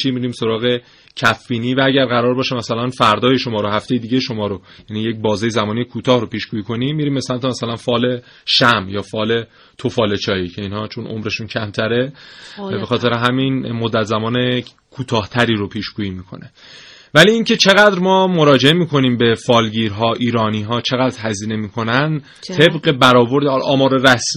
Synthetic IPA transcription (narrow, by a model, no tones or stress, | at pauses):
t͡ʃʰiːmiɾiːmso̞ɾɒːɣe̞ | cʰæfːiːniːvææɟæɾɣæɾɒːɾbɒːʃemæsælænfæɾd̪ɒːjeʃo̞mɒːɾoɦæft̪e̞jed̪iːɟe̞ʃo̞mɒːɾojæniːje̞c̚bɒːzejezæmɒːnijekʰuːt̪ʰɒːhɾo̞piːʃɡ̥uːjiːkʰo̞nimːiːɾiːmbesæmt̪ʰo̞mæsælænfɒːle̞ | ʃæmjɒːfɒːle̞ | t̪ʰofɒːle̞t͡ʃʰɒːiːcʰe̞iːnhɒːt͡ʃʰonʔo̞̰mɾe̞ʃuːncʰæmt̪ʰæɾe̞ | bexɒːt̪ʰeɾeɦæminmo̞d̪ːæt̪zæmɒːne | kʰuːt̪ʰɒːht̪ʰæɾiːɾopʰiːʃɡuːiːmiːkʰo̞̰ne̞ | væliːiːŋcʰe̞t͡ʃʰe̞ɣæd̪ɾmɒːmo̞ɾɒːd͡ʒe̞emiːkʰo̞niːmbe̞fɒːlɟiːɾɦɒːʔiːɾɒːniːɦɒːt͡ʃʰe̞ɣæd̪ɾɦæziːne̞miːkʰo̞næn | t̪ʰe̞bɢebæɾɒːbo̞ɾd̪lʔɒːmɒːɾeɾæs